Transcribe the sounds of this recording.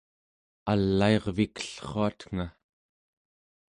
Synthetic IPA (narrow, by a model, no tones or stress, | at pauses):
alːaeʁvikə̥ɬχoat̪ŋ̥a